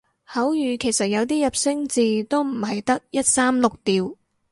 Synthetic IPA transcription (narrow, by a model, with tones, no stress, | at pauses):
hɐ˨˥wjyː˨˧kʰe˨˩jsɐ˨t̚jɐ˨˧wt̪̬iː˥jɐ˨p̚sɪ˥ŋt͡siː˨˧t̪o˥wm̩˨˩hɐ˨jt̪ɐ˥k̚jɐ˥t̚saː˥mlʊ˨k̚t̪iː˨w